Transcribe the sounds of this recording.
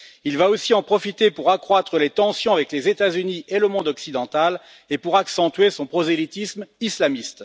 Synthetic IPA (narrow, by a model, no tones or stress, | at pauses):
ilvaosiɑ̃pχɔfit̪epuʁakχwat̪χəlet̪ɑ̃sjɔ̃avɛklezet̪azynieləmɔ̃d̪ɔksid̪ɑ̃t̪al | epuʁaksɑ̃t̪ɥesɔ̃pχɔzelit̪ismislamist̪